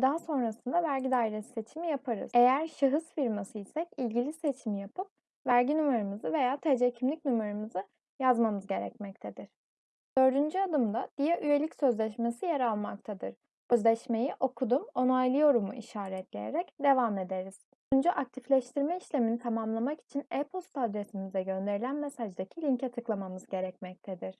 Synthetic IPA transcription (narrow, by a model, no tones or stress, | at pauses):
d̪aɦaso̞nɾasɯnd̪avæɾɟid̪aːiɾesi̥se̞t͡ʃʰimijapʰaɾɯ̰ze̞jæɾʃɯɦɯsfiɾmasɯisɛcilʲɟilʲise̞t͡ʃʰimijapʰɯp̚ | væɾɟinumaɾɯmɯzɯve̞jaːt̪ʰed͡ʒecʰimlʲicnymaɾɯmɯzɯ | jazmamɯzɟe̞ɾɛ̰cmɛc̚t̪ʰed̪iɾ̥ | d̪̥ø̞ɾd̪ynd͡ʒyad̪ɯmd̪ad̪̥ijɛʔyje̞lʲicsø̞zlʲɛʃmesijeɾalˠmak̚t̪ʰad̪ɯ̰ɾ̥ | øzlʲɛʃme̞jiʔo̞kʰud̪umo̞najlˠɯjo̞ɾumuʔiʃaːɾɛt̪lʲḛjḛɾɛcd̪e̞vame̞d̪eɾiz̥ | und͡ʒuʔak̚t̪ʰiflʲɛʃt̪ʰiɾmɛiʃlʲeminit̪ʰamamlˠamaki̥t͡ʃʰinɛpʰolˠst̪ad̪ɾesimizd̪ɛɟø̞nd̪e̞ɾilʲænmesaʒd̪acʰilʲiɲcʰɛt̪ʰɯklˠamamɯzɟe̞ɾɛcmɛc̚t̪ʰed̪iɾ̥